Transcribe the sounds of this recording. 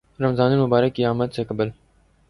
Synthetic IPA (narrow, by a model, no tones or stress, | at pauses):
ɾɐmzɑːniːnmubɑːɾɐkiɑːmɐd̪̚sekəbəl